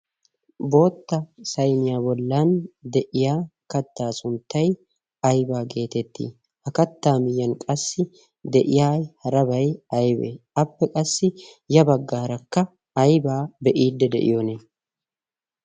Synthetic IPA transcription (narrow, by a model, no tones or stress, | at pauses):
bo̞ːt̪ːɐsɐjnɪjaːbɔlːaːnd̪ɛʔɪjaːkɐt̪ːaːsʊnt̪ːɐj | ɐjbaːɡe̞ːt̪ɛt̪ːḭː | hɐkɐt̪ːaːmɪjːɐnkʼɐsːɪ | d̪ɛʔɪjaːhɐɾɐbɐjɐjbḛːɐpːɛkʼɐsːɪ | jɐbɐɡːaːɾɐkːɐ | ɐjbaːbɛʔiːd̪ːɛd̪ɛ̰ʔɪ̰joːneː